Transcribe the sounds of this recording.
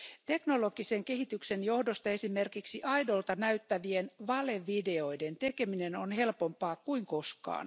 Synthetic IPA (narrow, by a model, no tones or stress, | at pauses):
t̪e̞knoloɡ̥iseŋkeɦit̪yksenjo̞hdost̪ɑesimerkiksiʔɑidolt̪ɑnæyt̪ːæʋienʋɑleʋideojdent̪ekeminenonhe̞lpompɑːkkuiŋko̞skɑ̰ːn